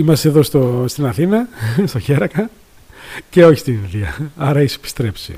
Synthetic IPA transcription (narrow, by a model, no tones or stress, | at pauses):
imɐst̪eðo̞st̪ost̪inɐθinɐst̪oçe̞ɾɐkɐ | ce̞o̞çi̥st̪ininðiɐ̰ɐɾɐise̥pi̥st̪ɾe̞psḭ